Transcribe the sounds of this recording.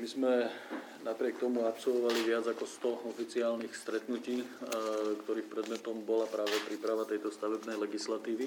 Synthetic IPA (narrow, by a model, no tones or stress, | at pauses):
mizmɛ | napɾɪɛk̚t̪ɔmuapsɔlʋɔʋaliʋɪad͡zakɔst̪ɔɔfit͡siaːlnixst̪ɾɛt̪nuciː | kt̪ɔɾiːxpɾɛd̪mɛt̪ɔmbɔlapɾaːʋɛpɾiːpɾaʋat̪ɛjt̪ɔst̪aʋɛbnɛjlɛɡislat̪iːʋi